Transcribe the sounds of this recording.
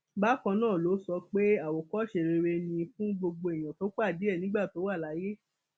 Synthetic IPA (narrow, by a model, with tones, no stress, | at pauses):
ba˦kã˧nãː˦˨lo˨˦sɔ˧k͡pe˦a˦˨wo˨kɔ˦ʃe˨ɾe˧ɾe˧nĩ˧fũ˦ɡ͡bo˧ɡ͡bo˧e˨j̃ã˨to˨˦k͡pa˦˨di˨˦ɛ˦˨nĩ˦ɡ͡ba˦˨to˨˦wa˦˨la˨˦je˦